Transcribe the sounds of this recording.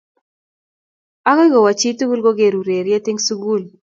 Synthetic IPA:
a˦kɔ˦ɡo˨wa˨t͡ʃi˦tu˦ɡu˦lɡo˦ɡe˨ɾu˨ɾe˨ɾje˦t̪ɪ˦ŋsu˦ɡu˦˨l

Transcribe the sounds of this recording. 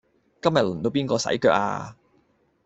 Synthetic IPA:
kɐ˥mjɐ˨t̚lʊ˨˩nt̪o˧wpiː˥nkɔː˧sɐ̰˨˥jkœː˧k̚a̰ː˧

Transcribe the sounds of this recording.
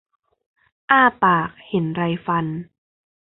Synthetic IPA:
ʔaː˥˩paː˨˩k̚he˨˩˦nɾa˧jfa˧n

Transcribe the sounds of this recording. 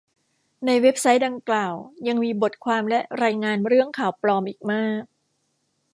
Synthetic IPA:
na˧jwe˦˥p̚sa˦˥jda˧ŋklaː˨˩wja˧ŋmiː˧bo˨˩t̪̚kʰwaː˧mlɛ˦˥ɾaː˧jŋaː˧nɾɯ˥˩əŋkʰaː˨˩wplɔː˧mʔiː˨˩k̚maː˥˩k̚

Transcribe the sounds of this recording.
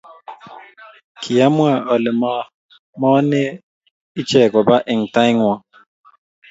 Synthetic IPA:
kʰi˨ja˦mwa˨ʔɔ˨lɛ˨m˦ | mɔ˦ne˦ | ɪ˦t͡ʃɛ˨kɔ˨ba˦ʔɪ˨ŋ̩˨ta˦jŋwa˦

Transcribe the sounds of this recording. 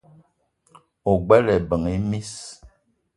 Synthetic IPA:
o˨ɡ͡bɛ˦lɛ˨bə˨ŋi˦mi˦s

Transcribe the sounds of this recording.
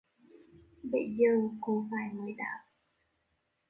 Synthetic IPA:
ɓə˧˨˩jzəː˨˩ko˧˦vaː˨˩jmɨ˨˩əjɗa̰ː˧˦m

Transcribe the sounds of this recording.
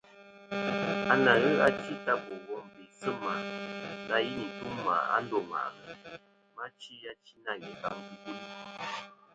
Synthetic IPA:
a˨na˨ɣɨ˦a˦t͡ʃi˦ta˦˨bo˨wɔ˦˨m˨bi˨sə˦ma˨na˦ji˦ni˨tu˦mma̰˨a̰˦n˦do˨ma̰˨ʔɣ | ma˦t͡ʃi˦ja˦t͡ʃi˦na˦˨ŋɛ˨ka˦˨m˦bi˦bi˦˨l

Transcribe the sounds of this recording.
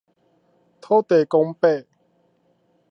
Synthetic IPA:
t̪ʰo˥˦t̪e˨˩kʊ˥ŋpe˥˨

